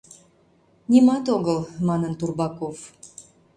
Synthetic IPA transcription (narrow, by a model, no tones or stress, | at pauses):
nʲimɑt̪oɣəlmɑnənt̪urbɑkov